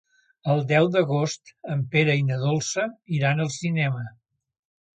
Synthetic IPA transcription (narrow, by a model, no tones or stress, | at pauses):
əlˠd̪ɛwd̪əɣost̪əmpeɾəinəðolˠsəiɾanəlˠsinɛmə